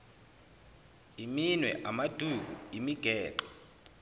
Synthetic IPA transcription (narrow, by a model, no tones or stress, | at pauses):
iminwɛ̰ʔamad̥ʱuɡ̬ʱuimiɡ̥ʱɛːǃɔ̥